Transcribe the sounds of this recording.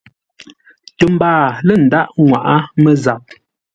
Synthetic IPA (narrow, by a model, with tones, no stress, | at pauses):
tə˨m˦baː˦˨lə˦˨n̩˨da˦ʔŋwa̰˨ʔa˦mə˦za˨p̚